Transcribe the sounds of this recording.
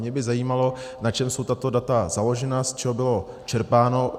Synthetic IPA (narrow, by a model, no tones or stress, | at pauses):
ɲɛbɪzajiːmalo̞nat͡ʃɛmso̞wt̪at̪o̞dat̪azalo̞ʒɛnast͡ʃɛɦobɪlo̞ | t͡ʃɛɾpaːno̞